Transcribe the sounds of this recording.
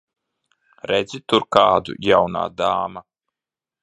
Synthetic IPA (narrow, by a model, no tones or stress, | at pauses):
ɾɛd̪zʲit̪uɾkaːd̪ṵjawna̰ːd̪aːma